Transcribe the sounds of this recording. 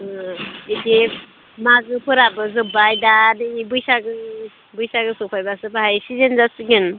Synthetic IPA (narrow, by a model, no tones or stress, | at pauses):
ide | maɡɯpʰɯɾabɯzɯbajdanibɯjsaɡɯ | bɯjsaɡɯsɔpʰajbasɯbaɦajsizenzasiɡin